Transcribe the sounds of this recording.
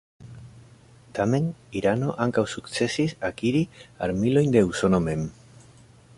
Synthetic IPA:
t̪ame̞niɾano̞ʔaŋkawsukt͡se̞sisakiɾia̰ɾmilo̞jnd̪e̞usonome̞m

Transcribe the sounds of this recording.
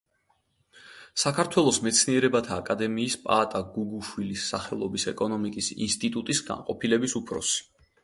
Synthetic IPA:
sakʰaɾt̪ʰwɛlˠɔsmɛt̪sʰniɛɾɛbat̪ʰaːkʼad̪ɛmiːspʼa̰t̪ʼaɡuɡuʃwilisːaχɛlˠɔbisɛkʼɔnɔmikʼisḭnst̪ʼit̪ʼut̪ʼisɡa̰nqʼɔpʰilɛbisupʰɾɔ̰si̥

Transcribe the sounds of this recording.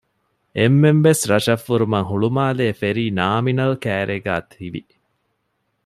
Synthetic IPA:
emːemʋesɾɐʃɐfːuɾumɐŋɦuɭumaːleːfeɾiːnaːminɐlkæːɾʔeɡa̰ːt̪ʰiʋḭ

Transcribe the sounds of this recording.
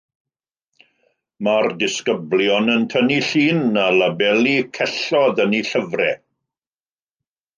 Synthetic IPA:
mardɪskəbljɔnəntʰəniɬiːnalabɛlˠikʰɛɬɔðəniɬəvrɛ

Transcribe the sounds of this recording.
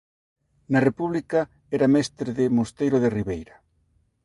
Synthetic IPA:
nɐrepuβlikɐ | ɛɾamɛst̪ɾeðɪmost̪ejɾoðeriβejɾɐ

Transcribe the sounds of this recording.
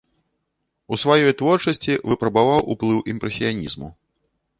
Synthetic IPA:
usvajɔjt̪vɔrt͡ʂɐsʲt͡sʲivɨpɾɐbavawṵplˠɨwʔimpɾɛsʲijanʲizmu

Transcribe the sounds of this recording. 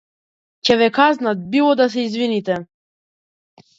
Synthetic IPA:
cɛvɛkaznat̪̚bilˠɔd̪as̬ɛizvinit̪ɛ

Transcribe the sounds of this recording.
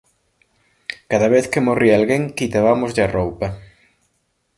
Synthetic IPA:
kaðɐβeθkemorialɣeŋkit̪aβamʊzʎɐrowpɐ

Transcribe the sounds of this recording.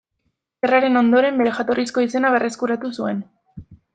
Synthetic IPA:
eraɾe̞no̞nd̪o̞ɾe̞mbe̞ɾexat̪o̞risko̞ise̞naβ̞e̞rʔe̞skuɾat̪usue̞n

